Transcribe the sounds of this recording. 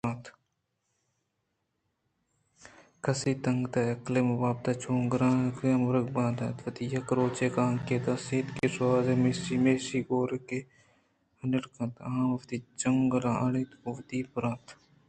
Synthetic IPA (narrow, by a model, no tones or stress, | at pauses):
ãːt̪ʰ | kɐsiːt̪ɐŋɡt̪aːjɐklemɐʋaːb̚t̪at͡ʃʰoːŋɡɾãːkemɐɾɐɡbãːd̪a̰ːt̪ʋɐt̪ijɐkɾoːt͡ʃeːkaːŋkeːt̪aːseːt̪keːsaːzeːmeːsiːmeːsiːɡoːɾke | ɐnɪɾkɐ̃t̪ɐãmɐft̪iːt͡ʃɐŋɡɾãːʔɐɽiːt̪ʊʋt̪iːpɾãːt̪